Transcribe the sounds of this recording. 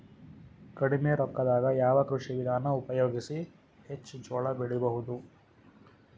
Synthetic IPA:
kɐɽimeɾɔkːɐd̪aːɡɐjaːʋɐkɾuʂiʋid̪ʱaːnɐupɐjoːɡisi | het͡ʃːut͡ʃɔːɭɐbiɽibɐɦud̪u

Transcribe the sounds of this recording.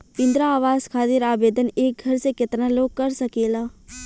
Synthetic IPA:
pɪ̃nd̪ɾaaːʋaːzkʰaːt̪ɪɾaːbeːd̪əneːk̚ɡʱɐɾsekɪt̪naloːɡ̚kɐɾsɐkeːlaː

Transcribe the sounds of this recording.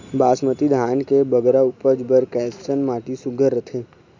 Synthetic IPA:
baːsmət̪id̪ʱaːnkebəɡɾaupəd͡ʒbəɾkɛːsənmaːʈisʊɡʱəɾət̪ʰẽː

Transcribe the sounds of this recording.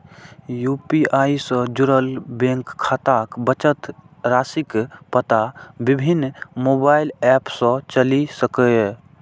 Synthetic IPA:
juːpiaːisə̃d͡ʒuɾəlbẽŋkʰːaːt̪akbət͡ʃət̪ | ɾaːsikpət̪abɪbʱɪnːmoːbaːɪlɛːpsɔ̃t͡ʃəlisəkə

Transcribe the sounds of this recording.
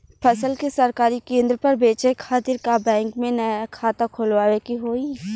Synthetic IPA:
pʰɐsəlkesɐɾkaːɾikẽːnd̪ɾpɐɾbeːt͡ʃekʰaːt̪ɪɾkabɛ̃ːŋkmẽnɐjakʰaːt̪ãkʰʊlʋaːʋekiɦoːi

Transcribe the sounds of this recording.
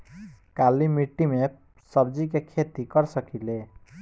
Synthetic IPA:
kalːimiʈːime | sʌb̚d͡zikekʰet̪ikʌrsʌkile

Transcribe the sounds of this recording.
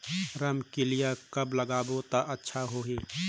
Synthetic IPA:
ɾəmkɪlɪjakəbləɡaːbot̪aʔətːʃʰaɦoːɦiː

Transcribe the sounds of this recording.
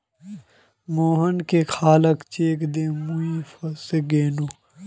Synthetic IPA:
moːɦɐnkexʰaːlɐkt͡ʃeːkd̪eːmuifɐseɡeːnuː

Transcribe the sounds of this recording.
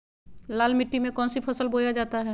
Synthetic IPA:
laːlmɪʈːimẽkɔ̃ːnsipʰəsəlboːjad͡ʒaːt̪aɦɛː

